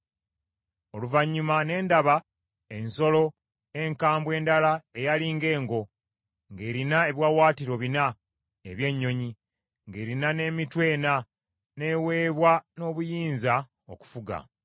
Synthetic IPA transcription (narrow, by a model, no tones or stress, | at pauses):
o̞luvaɲːumane̞ːndaβa | e̞nso̞lo̞ | e̞ŋkaːmbwe̞ːndalae̞jaliŋɡe̞ːŋɡo̞ | ŋɡe̞ːɾinae̞βwaːwaːtiɾo̞βina | eβje̞ɲːo̞ɲi | ŋɡe̞ːɾinane̞ːmitwe̞ːna | ne̞we̞ːβwano̞ːβujiːnza | o̞̰ku̥fuɡa̰